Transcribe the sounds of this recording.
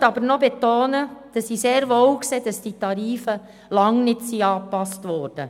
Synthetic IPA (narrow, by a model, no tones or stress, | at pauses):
tɑb̥əɾnɔbetoːnəd̥ɑsiseːɾʋoːwkseːd̥ɑsd̥itɑɾiːfə | lɑŋnɪtsiɑːpɑstʋɔːɾd̥ə